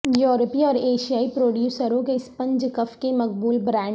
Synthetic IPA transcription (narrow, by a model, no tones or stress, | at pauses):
jɔːɾəpiɔːɾeːʃijaːipɾoːɖjuːsəɾõkeɪspɐ̃ɲd͡ʒkɐfkemɐk̚buːlbɾɛ̃ː